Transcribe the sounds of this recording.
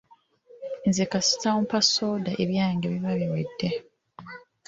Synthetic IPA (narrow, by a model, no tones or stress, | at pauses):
nzekasi̥tamupasoːdaʔeβjaːŋɡeβiβaβiwedːe